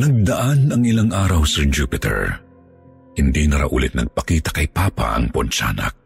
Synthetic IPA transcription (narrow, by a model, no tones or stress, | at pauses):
nɐɡ̚d̪ɐʔanɐŋɪlaŋʔaːɾɐwsɛɹd͡ʒupɪt̪ʰɛ̰ɹ | hɪnd̪inɐɾɐ̰ʔṵːlɪt̪nɐ̰ɡ̚pɐkiːt̪ɐ̥kɐjpaːpa̰ʔɐ̰ŋpont͡ʃa̰ːnɐ̰k̚